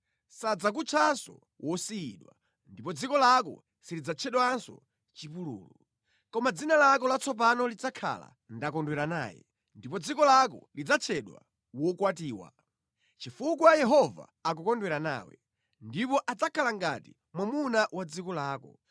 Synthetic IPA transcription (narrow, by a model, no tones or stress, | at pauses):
sad͡zak̬ut͡ʃʰasɔ̰ | wʔɔsiiɗwa̰ | ndipɔd͡zikɔlakɔ̰ | silid͡zat͡ʃʰɛɗwansɔ̰ | t͡ʃipulṵːlu | kɔmad͡zinalakɔlat͡sʰɔp̬anɔlid͡zakʰa̰la̰ | ndakɔndwɛɾana̰ːjɛ̰ | ndipɔd͡zikɔlakɔlid͡zat͡ʃʰɛɗwa̰ | wɔkwatiːwa̰ | t͡ʃifukwajɛɦɔva̰ | ak̬ɔkɔndwɛɾana̰ːwɛ̰ | ndipɔʔad͡zakʰalaŋɡati | mwamunawad͡zikɔlaːkɔ